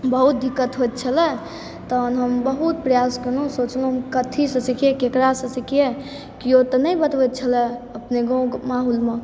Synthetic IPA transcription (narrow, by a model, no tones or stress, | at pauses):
bəɦut̪̚d̪ʱikːət̪ɦot̪t͡ʃʰəlɛ | t̪ənɦəmbəɦut̪̚pɾəjaskəɾnũsot͡ʃnũɦəmkət̪ʰisət͡ʃikʰijekekɾasə̃sikʰije | kiot̪ənəjbət̪ʋɛt̪̚t͡ʃʰəlɛəpneɡõɡmaɦulme